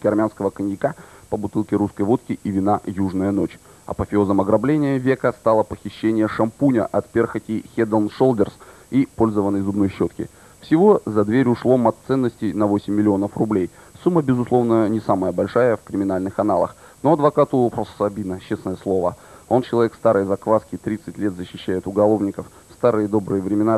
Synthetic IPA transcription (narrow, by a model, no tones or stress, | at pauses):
kʲɪɐrmʲanskəvəkənʲjɪkapəbʊt̪ɨlˠkʲɪɾuskəjvo̞t̪kʲɪʔivʲɪnajuʐnəjəno̞t͡ɕ | ɐ̰pəfʲɪozəmɐɡɾɐblʲenʲɪjəvʲekəst̪alˠəpəxʲɪɕːenʲɪjəʂɐmpunʲə̰ʔɐt̪pʲerxətʲɪxʲed̪əlnʂo̞lˠd̪ʲərs | ipo̞lʲzəvənːəjzʊbno̞jɕːo̞t̪kʲɪ̰ | fsʲɪvo̞zɐd̪vʲeɾʲʊʂlˠomɐt̪sɛnːəsʲtʲɪjnɐvo̞sʲɪmʲːɪlʲɪo̞nəfrʊblʲej | sumːəbʲɪzʊslˠo̞vnənʲɪsaməjəbɐlʲʂajəfkɾʲɪmʲɪnalʲnɨxɐnalˠə̰x | no̞ɐd̪vɐkat̪ʊposɐbʲinət͡ɕːesnəjəslˠo̞vəo̞nt͡ɕɪlˠɐvʲekst̪aɾɨjzɐkvaskʲɪt̪ɾʲit̪sɨtʲlʲe̞t̪zəɕːɪɕːæjɪt̪ʊɡɐlˠo̞vnʲɪkəf | st̪aɾɨjəd̪o̞bɾɨjəvɾʲɪmʲɪna